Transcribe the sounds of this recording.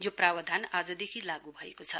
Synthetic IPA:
joprawʌd̪ʱanad͡zʌd̪ekʰilaɡubʱʌḛkot͡sʰʌ

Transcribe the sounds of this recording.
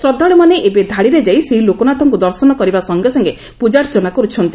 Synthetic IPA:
sɾɔd̪ʱɔɭemaneʔebed̪ʱaɽiɾed͡ʒaijseɦilokonat̪ɔŋkud̪ɔɾsɔnɔkɔɾibasɔŋɡesɔŋɡe | pud͡ʒaɾd͡ʒɔnakɔɾut͡ʃʰɔnt̪i

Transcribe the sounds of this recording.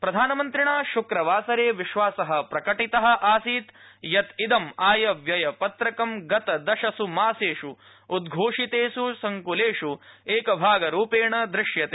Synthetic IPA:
pɾɐd̪ʱaːnɐmɐnt̪ɾiɳaːʃukɾɐʋaːsɐɾeːʋiʃʋaːsɐɦɐpɾɐkɐʈit̪ɐɦɐ̆ʔaːsiːt̪jɐt̪id̪ɐmaːjɐʋjɐjɐpɐt̪ɾɐkɐmɡɐt̪ɐd̪ɐʃɐsumaːseːʂuː | d̪ɡʱoːʂit̪eːʃusɐŋkuleːʂueːkɐbʱaːɡɐɾuːpeːɳɐd̪ɾɪʂjɐt̪e

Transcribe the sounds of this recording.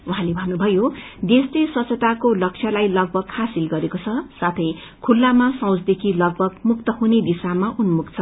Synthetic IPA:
uɦãlebʱʌnːubʱʌjod̪eslesʌt͡sʰʌt̪akolʌk̚t͡sʰjʌlajlʌɡ̚bʱʌɡhasilɡʌɾekot͡sʰʌsat̪ʰʌj | kʰulːamasʌ̃w̃t͡sd̪ekʰilʌɡ̚bʱʌɡmuk̚t̪ʌɦuned̪isamaʔunmukt͡sʰʌ

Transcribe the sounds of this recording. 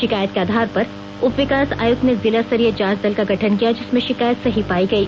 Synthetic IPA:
ʃɪkaːjət̪̚keaːd̪ʱaːɾpɐɾ | ʊpʋɪkaːsa̰ːjʊkt̪nezɪlasəɾijəd͡ʒaːd͡ʒd̪ɐlkaɡʱɐʈʰənkijad͡ʒɪsmẽʃɪkaːjət̪sɐɦipaːiɡɐiː

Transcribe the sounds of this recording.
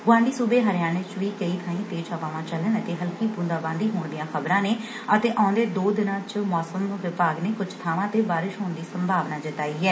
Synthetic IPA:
ɡʊãːɳɖiːsuːbeːɦəɾɪjaːnet͡ʃʋiːkəiːt̪ʰãːĩːt̪eːt͡ʃəpaːʋãːt͡ʃələnət̪eːɦəlkiːpũnd̪aːbãːnd̪iːɦoːɳd̪ijãːxəbɾãːneː | ət̪eːʔãːnd̪eːd̪oːd̪ɪnãːt͡ʃmɔːsəmʋɪpaːɡneːkʊd͡ʒt̪ʰaːʋãːt̪eːbaːɾɪʃɦoːɳd̪iːsəmbʱaːʋnaːd͡ʒɪt̪aːiːɦɛː

